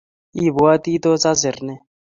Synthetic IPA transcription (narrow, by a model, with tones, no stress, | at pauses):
i˦˨βu˨wa˦ti˦t̪ɔ˦t͡sa˦zi˨rnɛ˦